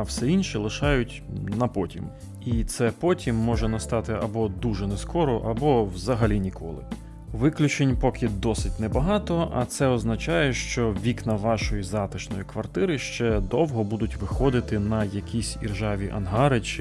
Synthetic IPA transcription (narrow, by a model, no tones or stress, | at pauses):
wsɛinʲʃilˠɪʃɑjʊtʲnɐpɔtʲḭm | it̪sɛpɔtʲimːɔʒɛnɐst̪ɑt̪ɪɐbɔd̪uʒɛnɛskɔɾɔʔɐbɔwzɐɦɐlʲinʲikʰɔ̰lˠɪ̰ | ʋɪklʲʊt͡ʃenʲpɔkʲʰɪd̪ɔsɪtʲnɛbɐɦɑt̪ɔɐ̰t̪sɛɔznɐt͡ʃɑjɛʃt͡ʃɔʋʲiknɐʋɑʃɔjizɑt̪ɪʃnɔjʊkʋɐrt̪ɪɾɪʃt͡ʃɛd̪ɔwɦɔbud̪ʊtʲʋɪxɔd̪ɪt̪ɪnɐjɐkʲisʲḭrʒɑʋʲiʔɐ̰nɦɑɾɪt͡ʃɪ